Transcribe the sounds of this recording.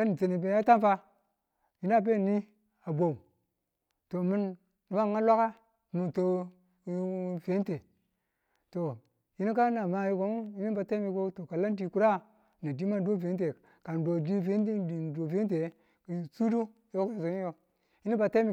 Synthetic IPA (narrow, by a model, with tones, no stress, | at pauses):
a˦ni˨t͡se˨ni˨be˨˦a˦ta˦nfa˦ | ji˦n˦a˦˨b̬e˦˨ni˦ | a˨bo˨u˨ | to˨mi˦nː | i˨ma˦˨ŋa˦la˦ka˦ | nu˨to˨˦ | ve˨˦nte˨ | to˨ | ji˦ni˦ka˦na˨ma˨ji˦ko˨˦ji˦ni˦ba˨ta˦mi˦ko˦to˨ka˨la˦n˦di˨ku˦ɾa˦ | na˨di˦ma˦do˦˨ve˨˦n˦t̬e˨ | ka˨ndo˨di˦ve˦˨do˨ve˦nt̬e˨˦ | ksu˦do˦ | jo˦ko˦a˨so˨ni˦jo˨ | ji˦ni˦ba˨ta˦i˦˨